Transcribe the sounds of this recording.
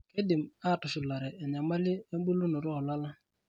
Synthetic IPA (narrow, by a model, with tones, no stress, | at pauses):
ke˦dɪ˨m˨a˦˨tʊ˨ʃɪ˨la˨ɾɛ˨ɛ˨n˨a˨ma˦lɪ˦e˦m˦bu˦lu˦nʊ˨ɾɔ˦˨la˦la˦